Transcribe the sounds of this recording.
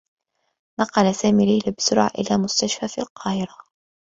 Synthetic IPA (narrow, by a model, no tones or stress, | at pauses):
nɑqɑlasaːmiːlajlabɪsʊɾˤʕa̰ʔɪ̰laːmʊst̪aʃfaːfilqɑːhɪɾa